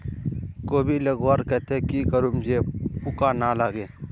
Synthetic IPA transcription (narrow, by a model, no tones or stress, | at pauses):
koːbʱiləɡwaːɾkɛt̪ekikəɾumd͡ʒeːpʊkanalaːɡeː